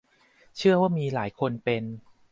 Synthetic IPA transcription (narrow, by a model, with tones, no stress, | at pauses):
t͡ɕʰɯ˥˩ɐəwaː˥˩miː˧la̰ː˩˦jkʰo˧npe˧n